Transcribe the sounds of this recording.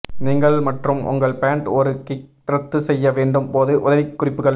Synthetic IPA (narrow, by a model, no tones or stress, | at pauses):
niːŋɡɐɭmɐʈrɯmʊ̰ŋɡɐɭpaːɳʈɔɾɯkɪʈɾɐt̪ːɯsɛjːɐʋeːɳɖɯmpoːðɯʔʊðɐʋɪkːʊrɪpːɯɣɐɭ